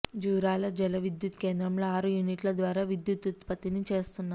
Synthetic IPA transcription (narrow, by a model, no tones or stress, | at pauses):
d͡ʒuːɾaːlɐd͡ʒɛlɐʋid̪jut̪ke̞ːnd̪ɾɐmlo̞ːaːɾujuniʈlɐd̪ʋaːɾaːʋid̪jut̪ut̪pɐt̪init͡ʃe̞ːst̪unːa